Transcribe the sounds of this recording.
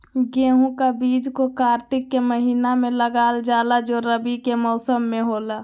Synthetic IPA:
ɡeːɦũkabiːd͡ʒkokaːɾt̪ɪkːeməɦiːnamẽləɡaːld͡ʒaːlad͡ʒoɾəbikemɔʊsəmːeɦoːla

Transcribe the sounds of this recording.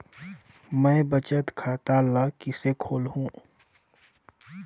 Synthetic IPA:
mɛ̃ːbət͡ʃət̪kʰaːt̪aləkɪsekʰoːlɦũː

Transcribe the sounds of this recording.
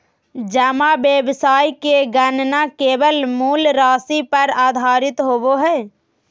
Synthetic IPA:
d͡ʒəmabjəbsaːikeɡənnakeːʋəlmuːlɾaːsipəɾaːd̪ʱaːɾɪt̪ɦoːboɦɛː

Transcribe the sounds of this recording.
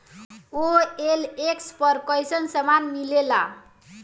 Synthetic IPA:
oelekspəɾkəjsənsəmanmilela

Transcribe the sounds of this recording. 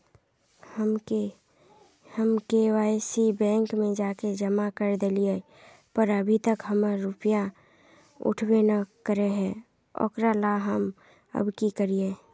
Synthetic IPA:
həme | həmkewaːjsibɛ̃ːŋkmẽd͡ʒaːked͡ʒəmakəɾd̪elie | pəɾəbʱit̪əkɦəməɾʊpija | ʊ̰ʈʰwenakəɾeɦɛ̃ː | ɔ̰ːkɾalaɦəm | ə̰bkikəɾie

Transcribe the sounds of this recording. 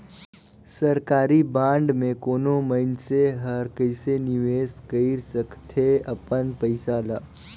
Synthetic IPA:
səɾkaɾibãɳɖmẽkonoməinseɦəɾkəseniʋeskəiɾsəkt̪ʰeəpənpəjsalaː

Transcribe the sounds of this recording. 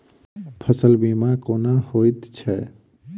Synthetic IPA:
pʰəsəlbiːmakoːnahoːit̪t͡ʃʰɛː

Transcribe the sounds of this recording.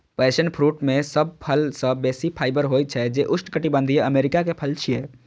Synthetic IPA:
pəesənpʰɾuʈmesəb̚pʰəlsə̃besipʰaːɪjbəɾɦojt̪̚t͡ʃʰɛd͡ʒeʔʊsʈkəʈibə̃nd̪ʱijeəmeɾikakepʰəlt͡ʃʰije

